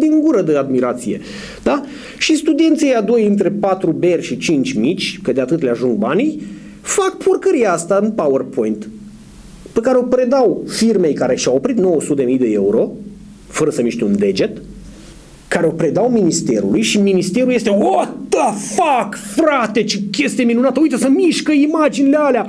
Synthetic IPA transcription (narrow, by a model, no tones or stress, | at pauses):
d̪iŋɡuɾəd̪ead̪miɾat̪sije̞̰ | d̪̥a | ʃist̪ud̪ient̪sejad̪o̞jɨnt̪ɾe̞pat̪ɾube̞rʲʃit͡ʃint͡ʃʲmit͡ʃʲkəd̪eat̪ɨt̪leaʒuŋɡ̚banij | fak̚pʰurkəɾijaast̪aɨnpawərpʰo̞jnt̪ | pekaɾeo̞pɾe̞d̪awfirme̞jkaɾe̞ʃiawopɾit̪no̞wəsut̪d̪emijd̪e̞euɾo̞ | fəɾəsəmiʃt̪ʲeund̪e̞d͡ʒe̞t̪ | kaɾeo̞pɾe̞d̪awminist̪e̞̰ɾṵlujʃiminist̪e̞ɾulje̞st̪eot̪əfakfɾat̪e̞t͡ʃekʲe̞st̪ijeminunat̪əujt̪əsəmiʃkəimad͡ʒinilealea